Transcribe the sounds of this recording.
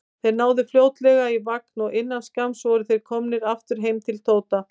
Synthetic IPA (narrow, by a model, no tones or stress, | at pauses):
θejɾnaːwðɪfljoːwt̪lɛɣaivaknɔɣɪnːanskamsvɔɾɪθejɾ̥kʰɔmnɪɾaft̪ʏɾ̥ɦeːjmt̪ʰɪlt̪ʰoːwt̪a